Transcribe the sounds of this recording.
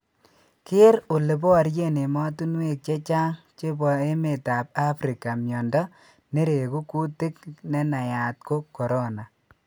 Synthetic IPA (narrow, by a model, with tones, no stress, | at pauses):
kɪ˦ɾo˨le˨pɔ˦a˨ɾje˦˨ne˨mɔ˦tu˦nwe˦˨k̚t͡ʃe˦t͡ʃa˦ŋ | t͡ʃe˦bɔ˨e˦me˨ta˨p̚a˦fɾi˨ka˨mjɔ˨ndɔ˦ | ne˦ɾe˨ku˦ku˦te˦knɛ˦na˨ja˨t̚ko˦kːɔ˨ɾɔ˦na˨